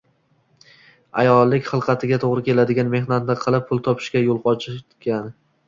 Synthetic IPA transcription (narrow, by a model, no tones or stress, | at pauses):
a̰jɒlˠːɪkʲχɨlˠqʰɑt̪ʰɪɡʲat̪ʰoʁɾɪkʲʰe̞lad̪ɪɡʲanme̞hnat̪d̪aqʰɨlˠɪp̚ʰːʊlˠt̪ʰɒpʰɪ̥ʃkʲajolˠqʰɒt͡ʃʰɪt̪ɡʲan